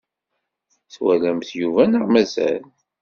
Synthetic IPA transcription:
θwælæmθjuvænəʁmæzæ̰l

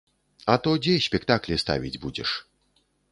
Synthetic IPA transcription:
ɐt̪ɔd͡zʲɛsʲpʲɛkt̪aklʲist̪a̰vʲid͡zʲbud͡zʲɛ̰ʂ

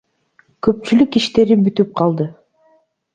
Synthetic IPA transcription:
køp̚t͡ʃylykiʃt̪e̞ɾibyt̪yp̚qʰɑlˠd̪ɯ

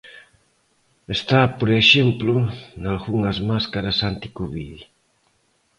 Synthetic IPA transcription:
est̪apoɾeʃemplʊnalɣuŋɐzmaskaɾɐsant̪i̥kuβi

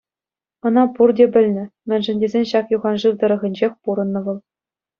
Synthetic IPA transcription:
ɤ̆nɑpurdʲebʲɘ̆lʲnʲɘ̆mʲɘ̆nʲʐɘ̆nʲdʲezʲenʲɕɑkjuʁɑnʐɯrd̪ɤ̆ɾɤ̆ɣʲɘ̆nʲd͡ʑexʲpuɾɤ̆nːɤ̆ʋɤ̆lˠ

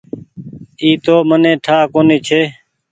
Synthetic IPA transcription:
iːt̪oːmənẽːʈʰaːkoːniːt͡ʃʰeː

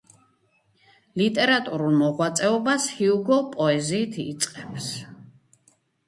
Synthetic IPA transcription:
lit̪ʼɛɾat̪ʼuɾulˠmɔʁwat̪sʼɛɔbashiuɡɔpʼɔɛziːt̪ʰit̪sʼqʼɛps

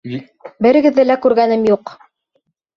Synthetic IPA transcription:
bɘ̆ɾɘ̆ɡɘ̆ðːɘlækʉɾɡænɘmjuq

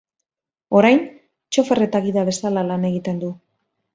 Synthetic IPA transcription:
o̞ɾajn | t͡ʃo̞fere̞t̪aɣiðaβe̞salalane̞ɣit̪e̞nd̪u

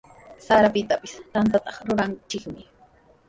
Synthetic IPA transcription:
saɾapɪt̪apɪst̪ant̪at̪ɑχɾʊɾant͡ʃɪkmɪ

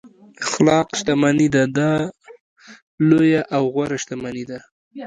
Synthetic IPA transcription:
xlɑqʃt̪amanid̪ad̪ɑ | lojaʔawɣwaɾaʃt̪amanid̪a

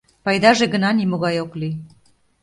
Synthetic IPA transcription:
pɑjd̪ɑʒeɣə̆nɑnimoɣɑjokli

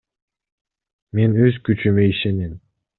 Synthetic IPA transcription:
me̞nøzkyt͡ʃymeiʃenim

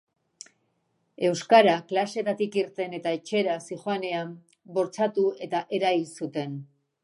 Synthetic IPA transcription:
e̞wskaɾaklase̞t̪at̪ikiɾt̪e̞ne̞t̪aet͡ʃe̞ɾasixoane̞am | bo̞ɾt͡sat̪ue̞t̪aʔe̞ɾailsut̪e̞n

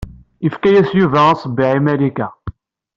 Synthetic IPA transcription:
ifkæjæsjuvæɑsˤəbːɪʕimælikæ

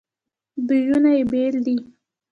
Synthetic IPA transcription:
bijunajebeld̪i

